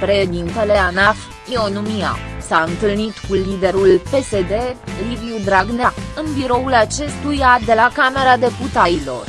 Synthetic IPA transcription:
pɾe̞ʃed̪int̪e̞le̞anaf | ionumia̰saɨnt̪ɨlnit̪kulid̪e̞ɾulpe̞se̞d̪e̞liviud̪ɾaɡnaɨnbiɾo̞ulat͡ʃe̞st̪ujad̪e̞lakame̞ɾad̪e̞put̪aɾilo̞̰r

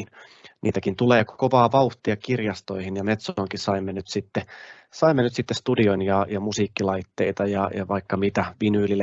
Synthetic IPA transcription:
n | nḭːt̪ækint̪uleːkkoʋɑːʋɑuht̪iɑkirjɑst̪o̞ihinjɑmet̪sooŋkisɑimːenyt̪sit̪ːe | sɑimːenyt̪sit̪ːest̪udionjɑjɑmusiːkːilɑit̪ːeit̪ɑjɑjɑ̰ʋɑikːɑmit̪æʋinyːlil

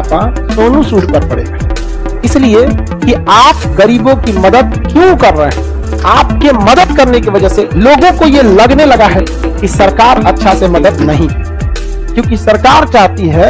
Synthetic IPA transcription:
pã | soːnũsuːɽkɐɾpɐɽḛɡaɦ | ɪslie | kiaːpɣɐɾiːbõkimɐd̪əd̪̚kjũkɐɾːəɦeɦɛ̃ | aːp̚kemɐd̪əd̪kɐɾnekiʋɐd͡ʒəɦseloːɡõkojelɐɡnelɐɡaɦɛ | kisɐɾkaːɾɐtːʃʰasemɐd̪əd̪nɐɦĩɦɛ | kjõːk̬isɐɾkaːɾt͡ʃaːɦt̪iɦɛ

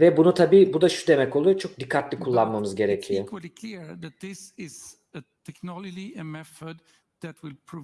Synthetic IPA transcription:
vɛbunut̪ʰabiːbud̪aʃu̥d̪e̞mɛco̞lˠujot͡ʃʰo̞k̚d̪ikʰːat̪lʲikʰulˠːanmamɯzɟe̞ɾekʰijokwlˠikʰliɹðæt̪̚ðɪsɪz | ət̪ʰɛknɑlˠɔd͡ʒiɨ̃mɛθəd̪ | ðæt̚wɪlpʰɔ

